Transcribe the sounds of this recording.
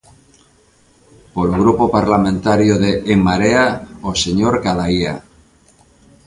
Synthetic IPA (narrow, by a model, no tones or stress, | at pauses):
poloɣ̞ɾupopaɾlamẽnt̪aɾjoðeʔːmːaɾeaoseɲoɾkaðaia̰